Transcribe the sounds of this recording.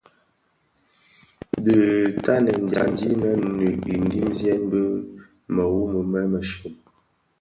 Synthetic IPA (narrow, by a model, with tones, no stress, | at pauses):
də˨ta˦nə˨n˨da̰˨n˦di˦nə˦nʉ˨ʔi˨n˦di˦mzjɛ˦n˦bə˦ | mə˨wu˦mə˨mɛ˦mə˨ʃʉ˨